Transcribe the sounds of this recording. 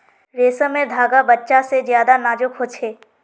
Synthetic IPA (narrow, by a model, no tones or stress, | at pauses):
ɾeːsəmẽd̪ʱaːɡabɐtːʃasezjaːd̪anaːd͡ʒʊkɦot͡ʃʰeː